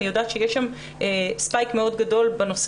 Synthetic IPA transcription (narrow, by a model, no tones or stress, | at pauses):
ijodaːt̪ʃejeʃam | espajkmeo̞dɡado̞lbano̞s